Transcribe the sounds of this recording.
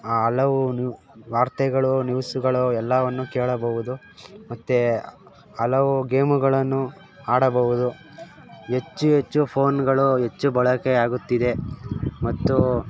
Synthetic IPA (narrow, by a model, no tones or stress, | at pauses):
aːɦɐlɐʋun | ʋaːɾt̪ɛɡɐɭunjuːsuɡɐɭuɛlːɐʋɐnːukeːɭɐbɐʋud̪u | mɐt̪ːe | ɐlɐʋuɡeːmuɡɐɭɐnːu | aːɽɐbɐʋud̪u | ɦe̞t͡ʃːuɦe̞t͡ʃːupʰoːnɡɐɭuɦe̞t͡ʃːubɐɭɐkeaːɡut̪ːid̪e̞mɐt̪ːu